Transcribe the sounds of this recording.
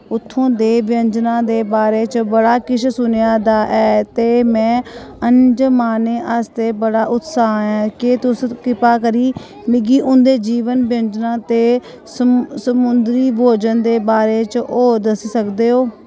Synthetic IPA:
ʊt̪ʰːõːd̪eːbɪjəɲd͡ʒnãːd̪eːbaːɾeːt͡ʃbəɽaːkɪt͡ʃʰsʊnejaːd̪aːʔɛːt̪eːmɛ̃ːənd͡ʒmaːneːʔəst̪eːbəɽaːʔʊt̪saːɛ̃ːkeːt̪ʊskɪpaːkəɾiː | mɪɡiːʔʊnd̪eːd͡ʒiːʋənbjə̃nd͡ʒnãːt̪eː | səsəmʊnd̪ɾiːboːd͡ʒənd̪eːbaːɾeːt͡ʃoːd̪əsiːsəkd̪eːɦoː

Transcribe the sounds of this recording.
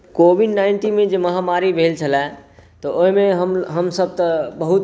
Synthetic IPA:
kobʱiɖnaɪɳʈinmed͡ʒeməɦamaɾibʱelt͡ʃʰəlɛt̪ɔʔoimeɦəmɦəmsəb̚t̪əbəɦut̪

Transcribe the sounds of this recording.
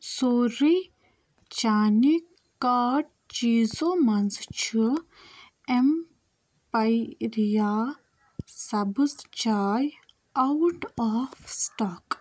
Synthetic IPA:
soːɾi | t͡ʃaːni | kaːʈ | t͡ʃiːzomɐnzt͡ʃʰu | em | pɐjɾijaː | sɐbɨst͡ʃaːj | ɐwʈaːfsʈaːk

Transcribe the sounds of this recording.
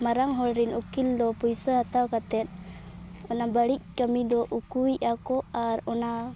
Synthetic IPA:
maɾaŋɦɔlɾinʔukild̪ɔpujsəɦat̪awkat̪ɛt̪̚ˀ | ɔnabəɽic̚ˀkəmid̪ɔʔukujʔakɔaɾɔna

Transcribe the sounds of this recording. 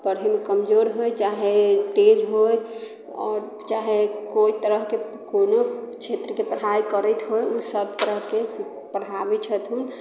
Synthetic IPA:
pəɾɦemekəmd͡ʒoɾɦojt͡ʃaɦeʈed͡ʒɦoj | ɔ̰ːɾ | t͡ʃaɦekoit̪əɾəɦke | konot͡ʃʰet̪ɾəkepəɽ̤ajkəɾɛt̪ʰɦojusəbt̪əɾəɦkes | pəɽ̤abɛt͡ʃʰət̪ʰɦun

